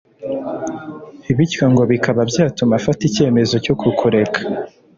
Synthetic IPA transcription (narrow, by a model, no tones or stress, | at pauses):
iβitaŋɡo̞βikʰaβabjaːtumafatice̞ːme̞zo̞co̞kukʰuɾe̞kʰḁ